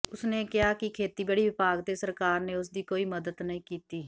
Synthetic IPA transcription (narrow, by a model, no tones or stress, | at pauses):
ʊsneːkɪɦaːkɪkʰeːt̪iːbəɽiːʋɪpaːɡt̪eːsəɾkaːɾneːʊs̬d̪iːkoːiːməd̪əd̪nəĩːkiːt̪iː